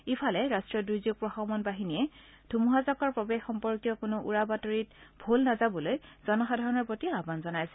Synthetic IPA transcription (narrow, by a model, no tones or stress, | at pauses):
ipʰalɛɹastɹiɔdɹujzjuɡ̚pɹɔxɔmɔnbaɦiniɛ | dʱumuɦazɔkɔɹpɹɔbexxɔmpɔɹkjɔkʊnʊʔuɹabatoɹitbʱulnazabɔlojz̥ɔnɔxadʱaɹɔnɔɹpɹotiabanzɔnajsɛ